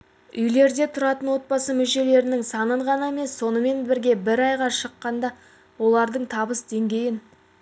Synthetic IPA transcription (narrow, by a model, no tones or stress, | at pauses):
ʏjle̞ɾd̪e̞t̪ʰʊɾɑt̪ənwo̞t̪̚bɑsəmʏʃe̞le̞ɾɪnɪŋsɑnəɴʁɑnɑeme̞sːo̞nəme̞nbɪɾɡʲe̞bɪɾɑjʁɑʃəqːɑnd̪ɑ | wo̞lˠɑɾd̪əɴt̪ʰɑbəsd̪e̞ŋɡʲe̞jɪn